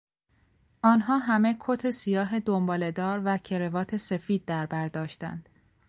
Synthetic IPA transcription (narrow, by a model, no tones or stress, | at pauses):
ʔɒːnɦɒːɦæme̞kʰot̪ʰe̞sijɒːɦed̪ombɒːle̞d̪ɒːɾvæcʰe̞ɾe̞vɒːt̪ʰe̞se̞fiːd̪̚ːæɾbæɾd̪ɒːʃt̪æ̰nd̪̥